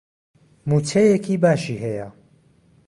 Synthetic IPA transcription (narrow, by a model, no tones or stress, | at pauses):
muːt͡sʰejekʰibaːʃiːɦɛjɐ